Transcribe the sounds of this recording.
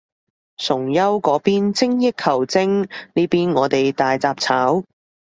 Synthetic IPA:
sʊ˨˩ŋjɐ˥wkɔː˨˥piː˥nt͡sɪ˥ŋjɪ˥kʰɐ˨˩wt͡sɪ˥ŋniː˥piː˥nŋɔː˨˧t̪e˨jt̪aː˨jt͡saː˧p̚t͡sʰaː˨˥w

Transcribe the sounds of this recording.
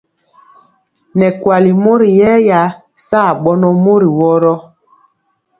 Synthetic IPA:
nɛ˨kwa˨li˨mo˦ɾi˨jɛ˦ja˨˦ | saː˦˨ɓɔ˦nɔ˦mo˦ɾi˨wɔ˦ɾɔ˦

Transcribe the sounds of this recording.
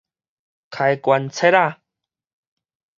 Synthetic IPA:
kʰa˨jkwa˨nt͡sʰe˦˥ɾa˥˨

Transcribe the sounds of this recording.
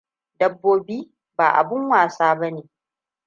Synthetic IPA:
dɐ˦bːoː˦biː˦ | ba̰ː˨ʔa̰˨bɪ˦ŋwaː˨saː˦bɐ˦neː˨

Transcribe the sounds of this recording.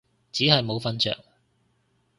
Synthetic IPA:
t͡siː˨˥ɦɐ˨jmo˨˧wfɐ˥nt͡ʃœ̰ː˨ŋ

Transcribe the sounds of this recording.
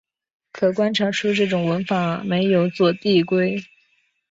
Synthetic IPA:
kʰɤ˨˩kwa˥nʈ͡ʂʰɑ˧˥ʈ͡ʂʰu˥ʈ͡ʂɤ˥˩ʈ͡ʂʊ˨˩ŋwə˧˥nfɑ˧˥˦me˧˥ɪjo˨˧˩ʊt͡swɔ˥˧t̪i˥˩kwe˥ɪ

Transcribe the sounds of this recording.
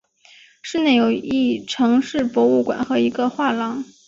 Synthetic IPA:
ʂɻ̩˥˧ne˥˩ɪjo˨˩ʊi˥˩ʈ͡ʂʰɤ˧˥ŋʂɻ̩˥˩pwɔ˧˥u˥˩kwa̰˨˩nxɤ˧˥i˧˥ɡə˧xwa˥˩lɑ˧˥ŋ

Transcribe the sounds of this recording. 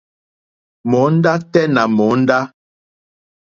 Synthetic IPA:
mɔ˨˦n̩˦da˦tɛ˦na˨mɔ˨˦n̩˦da˦

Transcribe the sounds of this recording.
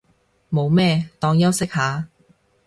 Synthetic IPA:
mo˨˧wmɛː˥˧t̪ɔː˧˥ŋjɐ˥wsɪ˥k̚haː˨˥

